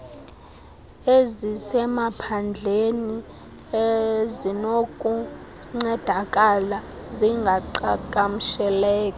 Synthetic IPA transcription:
ezisɛmapʰand͡ɮʱeni | ezinokʼuŋ͡ǀɛd̥ʱakʼala | ziŋɡʱaǃakʼam̩ʃɛlɛːkʼɔ

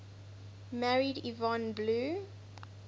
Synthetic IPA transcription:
mæɹidivɔ̃nblu

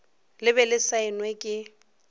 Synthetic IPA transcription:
lɪbɛlɪsaɪnwekʼɪ

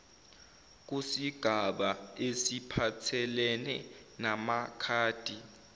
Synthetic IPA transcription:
k̬ʼusiɡ̥ʱaɓaesipʰatʰɛlɛnɛnamakʰaːd̥ʱi

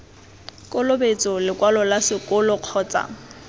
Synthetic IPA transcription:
kʼɔlobet͡sʼɔlɪkʼwalɔlasɪkʼʊlɔq͡χʰɔːt͡sʼa̰

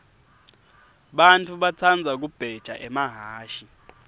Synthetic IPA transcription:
ɓantʰuɓat͡sʰand͡zʱak̬ub̥ʱɛd̥ʒ̥ʱa̰ʔɛmaɦaːʃi

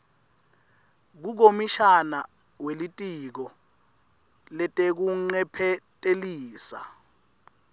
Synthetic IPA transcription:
k̬uk̬omiʃana | welitʼik̬ɔ | lɛtʼek̬uŋ͡ǀɛpʰɛtʼeliːsa

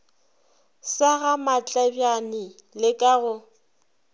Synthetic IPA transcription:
saɣamat͡ɬʼabjanɪ | lɪkʼaɣʊ

